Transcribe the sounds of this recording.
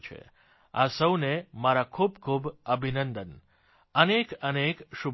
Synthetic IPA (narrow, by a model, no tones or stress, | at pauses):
t͡ʃʰḛ | a̰səwnemaɾakʰubkʰubəbʱinənd̪ən | ənekənekʃub